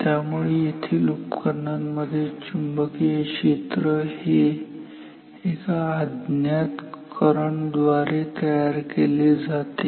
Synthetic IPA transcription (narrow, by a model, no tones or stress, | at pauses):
t̪jamuɭejet̪ʰiːlupkəɾɳaməd̪ʱjet͡ɕumbəkekɕet̪ɾəhi | ekaːd̪njat̪kəɾəɳd̪ʋaɾet̪əjaɾkeled͡zat̪e